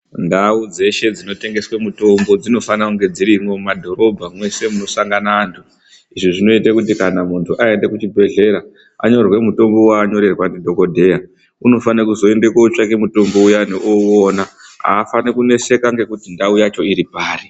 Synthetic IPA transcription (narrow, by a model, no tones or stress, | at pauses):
ndaud͡ze̞ʃe̞d͡zino̞te̞ŋɡe̞swemuto̞mbo̞d͡zino̞fanakuŋɡe̞d͡ziɾimwo̞madʱo̞ɾo̞bʱamwe̞se̞muno̞saŋɡanaːntʰu | iʐiʐino̞itakut̬ikanamuntʰuʔae̞nde̞kut͡ʃibʱe̞ɮe̞ɾa | a̰ɲo̞rwe̞muto̞mbo̞waːɲo̞ɾe̞rwanedʱo̞ko̞dʱe̞ja | uno̞fanakuzo̞e̞ndekat͡ʂakemuto̞mbo̞ujaneʔoonaa̰ːfanekune̞se̞kaŋɡe̞kutindaujat͡ʃo̞iɾipaːri